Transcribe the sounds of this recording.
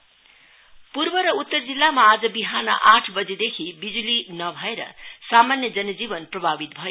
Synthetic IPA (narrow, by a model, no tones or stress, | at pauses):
purbʌɾʌut̪ːʌrd͡zilːamaːd͡zʌbiɦanʌ̰ʔaʈʰbʌd͡zed̪ekʰibid͡zulinʌbʱʌeɾʌ̰samanjʌd͡zʌnʌd͡zibʌnprʌbʱabit̪̚bʱʌjo